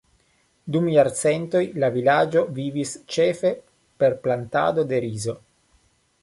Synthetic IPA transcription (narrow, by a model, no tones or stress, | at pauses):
d̪umjaɾt͡sent̪o̞jlavilad͡ʒo̞vivist͡ʃe̞fe̞ | pe̞ɾplant̪a̰d̪o̞d̪e̞ɾizo̞